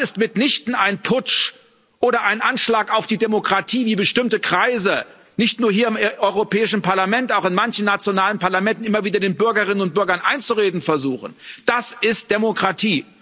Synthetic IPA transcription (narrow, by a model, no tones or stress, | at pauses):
sɪstmɪtnɪçtn̩aɪnpʰʊt͡ʃ | ʔoːɾɐʔaɪnʔanʃlaːkaʊfd̥iːdemokʁ̥atʰiːviːbəʃtɪmtəkʁ̥aɪzə | nɪçtnuːɐɦiːɐɪmʔɔʏʁopʰɛːɪʃn̩paɐlamɛntaʊxɪnmançn̩ːat͡sjonaːlənpaɐlamɛntn̩ʔɪmɐviːdɐdeːnbʏɐɡɐʁ̞ɪnənʊnt̚b̥ʏɐɡɐnʔaɪnt͡suʁeːdn̩fɛɐzuːxən̩d̥asɪst̚d̥emokʁ̥atʰiː